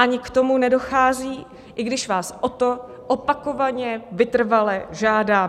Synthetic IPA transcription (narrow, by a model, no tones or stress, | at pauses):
ʔaɲɪkt̪o̞munɛdo̞xaːziː | ʔɪɡdɪʃvaːsʔot̪o̞ | ʔopako̞vaɲɛvɪt̪r̩valɛʒaːdaː